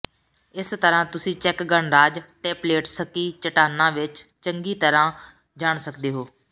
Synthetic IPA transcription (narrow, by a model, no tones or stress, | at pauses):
ɪst̪əɾãːt̪ʊsĩːt͡ʃɛkɡəɳɾaːd͡ʒʈeːpleːʈsəkiːt͡ʃəʈaːnãːʋɪt͡ʃt͡ʃəŋɡiːt̪əɾãː | d͡ʒaːɳsəkd̪eːɦoː